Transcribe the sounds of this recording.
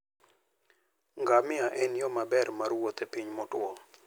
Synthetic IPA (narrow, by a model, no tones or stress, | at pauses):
ŋɡamɪaʔɛnjɔmabɛrmarwot̪epiɲmɔtwɔ